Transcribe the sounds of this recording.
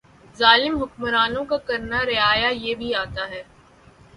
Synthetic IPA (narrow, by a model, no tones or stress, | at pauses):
zaːlɪmɦʊkmɾaːnõkakɐɾnaɾɪaːjajeːbʱiaːt̪aɦɛː